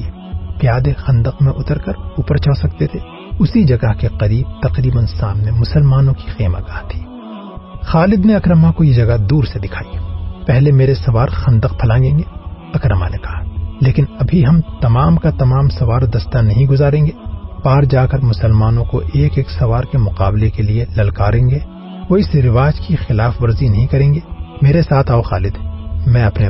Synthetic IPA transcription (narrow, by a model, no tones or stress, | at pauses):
pjaːd̪exɐ̃nd̪əqmẽʔʊt̪əɾkɐɾʊpəɾt͡ʃʰəːsɐk̚t̪et̪ʰe | ʊsid͡ʒɐɡəɦkeqɐɾiːb̚t̪ɐqɾiːbənsaːmnemʊsəlmaːnõki̥xeːma̰ɡaːt̪ʰi̥ː | xaːlɪd̪neɐkɾəmakojed͡ʒɐɡad̪uːɾsed̪ɪkʰaːipɛɦlemeːɾesɐʋaːɾxɐ̃nd̪əq̚pʰɐlãːɡẽːŋɡe | ɐkɾəma̰nekɐɦaleːkɪnɐbʱiɦɐmt̪ɐmaːmkat̪ɐmaːmsɐʋaːɾd̪ɐst̪anɐɦĩɡʊzaːɾẽːŋɡeːpaːɾd͡ʒaːkɐɾmʊsəlmaːnõko̰ʔeːkeːksɐʋaːɾkemʊqaːblekelielɐlkaːɾẽːŋɡeː | ʋoɪsɾɪʋaːd͡ʒkixɪlaːfʋɐɾzinɐɦĩkɐɾẽːŋɡeːmeːɾesaːt̪ʰaːoxaːlɪd̪mɛ̃ɐpne